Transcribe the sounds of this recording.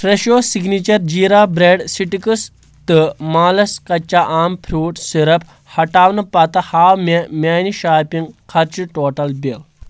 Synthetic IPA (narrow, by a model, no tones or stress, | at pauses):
fɾeʃoːsiɡnit͡ʃɐɾd͡ʒiːɾaːbɾeːɖsiʈikɨs | t̪ɨmaːlɐskɐt͡ʃːaʔaːmpʰɾuːʈsiɾɐp | hɐʈaːʋnɐpɐt̪ɐhaːwmemʲaːniʃaːpiŋɡkʰɐɾt͡ʃiʈoːʈɐlbil